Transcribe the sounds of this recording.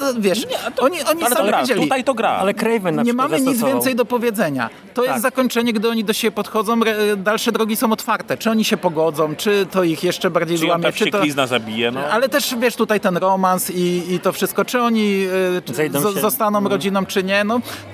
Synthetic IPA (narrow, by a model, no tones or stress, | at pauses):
vʲjɛʂɔɲiʔɔɲisɾved͡ʑɛliuit̪ajt̪ɔɡɾa̰alɛkɾɛjvɛnɲɛmamɨɲid̪zvvjɛnt̪sɛjd̪ɔpɔvʲjɛd̪zɛɲa̰ | t̪ɔjɛst̪ːzakɔɲt͡ʂɛɲɛɡd̪ɘɔɲid̪ɔɕebʲjɛpɔt̪xɔd̪zɔ̃w̃ɾɛd̪alʂɛd̪ɾɔɡʲisɔ̃w̃ɔt̪faɾt̪ɛt͡ʂɨɔɲiɕɛpɔɡɔd̪zɔ̃w̃t͡ʂɘt̪ɔixjɛʂt͡ʂɛbaɾd͡ʑejzwamʲjɛt͡ʂɨt̪ɔiznazabʲijɛnɔʔalɛt̪ɛʂvʲjɛʂt̪ut̪ajt̪ɛnɾɔmansiːt̪ɔfʂɘst̪̚kɔt͡ʂɘɔɲizj̪ɔzzɔst̪anɔ̃w̃ɾɔd͡ʑinɔ̃w̃t͡ʂɘɲɛnɔ